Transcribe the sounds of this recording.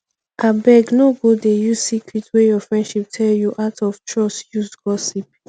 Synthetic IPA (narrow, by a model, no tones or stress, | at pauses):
abɛɡnoɡodejusikʰɹitwejɔfɹɛ̃ndʃip̚tʰɛljuʔaʊtʰɔft͡ʃɹɔsjusɡ̥ɔsip̚